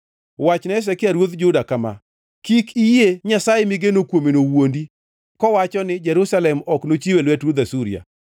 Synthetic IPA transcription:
wat͡ʃnɛs̬ɛkɪaɾwod̪d͡ʒʊdakama̰ | kikijeɲasajemɪɡenokwomenowondi | kɔwat͡ʃɔnɪd͡ʒɛɾʊsalɛmɔknot͡ʃiwelwɛtɾod̪asuɾḭa̰

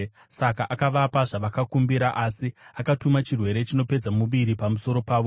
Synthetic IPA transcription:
sakaʔakaʋapaʐaʋakakumbiɾaʔasiakatumat͡ʃirwe̞ɾe̞t͡ʃino̞pe̞d͡zamuʋiɾipamuso̞ɾo̞paːʋo̞

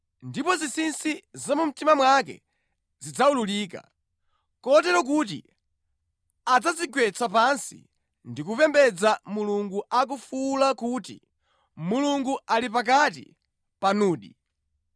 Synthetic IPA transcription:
ndipɔzisinsizamum̩timamwak̬ɛ̰ | zid͡zaululiːka̰ | kɔtɛɾɔk̬ut̬ḭ | ad͡zaziɡwɛt͡sʰapansḭ | ndikupɛmbɛd͡zamuluŋɡuʔak̬ufulakutḭ | muluŋɡuʔalipak̬atḭ | panuːɗḭ

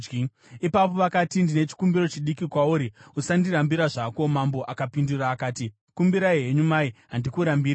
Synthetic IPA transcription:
ipap̬o̞ʋakatindine̞t͡ʃi̥kumbiɾo̞t͡ʃiɗikikwauːɾiusandiɾambiɾaʐako̞mambo̞ʔakapinduraːkaːti | kumbiɾaiɦe̞ɲumaiɦandikuɾambiːɾa

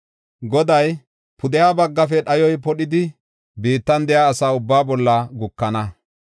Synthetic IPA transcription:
ɡɔd̪ɐj | pʰʊd̪ɛjaːbɐɡːɐfɛɗɐjɔjpɔɗɪd̪ɪ | biːt̪ːɐnd̪ɛjaːsaːʊbːaːbɔlːɐɡʊkːɐnɐ

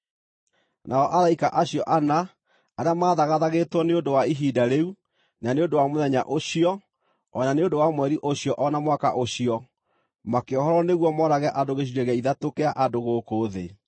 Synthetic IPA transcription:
naɔʔaɾaikaʔaɕijɔʔana | aɾeamaːðaɣaðaɣetwɔneondowaiɦiːdaɾeu | naneondowamoðɛɲa̰ʔoɕiɔ | ɔnaneondowamwɛɾiʔoɕiɔʔɔnamwakaʔoɕiɔ | makeɔɦɔɾɔneɣwɔmɔɾaɣɛʔadoɣeɕ̬iɾɛɣɛiðatokeaʔadoɣoːkoːðe

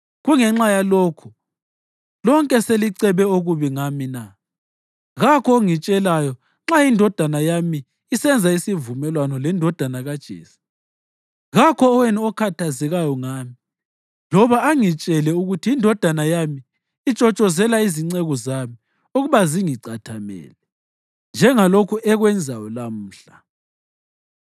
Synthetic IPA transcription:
ɣuŋɛŋ͡ǁajaloːkʰu | lɔŋkʼɛseliǀɛβɛoɣuβiŋamina | ɣakʰɔŋit͡ʃʼɛlajɔ | ŋ͡ǁajindʱɔd̥ʱanajamiː | sɛnd͡zʱaisivumɛlwanɔlɛndʱɔd̥ʱanaɣad̥ʒ̥ʱḛːsi̥ | ɣakʰɔːwɛniɔkʰatʰazɛɣajɔŋaːmi | lɔβaːŋit͡ʃʼɛlɛuɣutʰiindʱɔd̥ʱanajamiː | t͡ʃʼɔt͡ʃʼɔzɛlaiziŋ͡ǀɛɣɔzami | oɣuβaziŋiǀatʰamɛ̰ːlɛ | nd͡ʒʱɛŋalokʰuʔɛɣwɛnd͡zʱajɔlam̩ːɬa

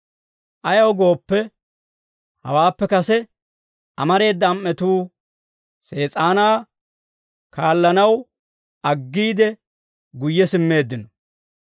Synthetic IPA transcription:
ʔɐjɐwɡo̞ːpːɛ | hɐ̰waːpːɛkɐsɛ | ʔɐmɐɾe̞ːd̪ːɐːmːɛt̪uː | se̞ːt͡sʼaːnaː | kaːlːɐnɐw | ɐɡːiːd̪ɛ | ɡʊjːɛsɪmːe̞ːd̪ːɪnɔ

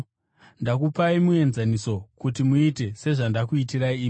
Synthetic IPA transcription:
ndakupaimue̞nzaniso̞kutimuite̞se̞ʐandakuitiɾaiː

